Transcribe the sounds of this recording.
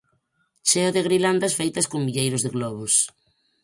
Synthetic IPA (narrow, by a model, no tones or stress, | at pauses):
t͡ʃeoðɪɣɾiland̪asfejt̪ɐskoŋbiʎejɾʊzðeɣlɔβ̞ʊs